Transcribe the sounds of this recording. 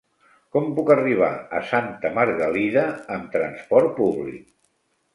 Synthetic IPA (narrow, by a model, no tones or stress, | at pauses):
kɔmpukəriβ̞a̰ə̰sant̪əmaɾɣəliðəːmt̪ɾənspɔɾt̪̚puβlḭk̚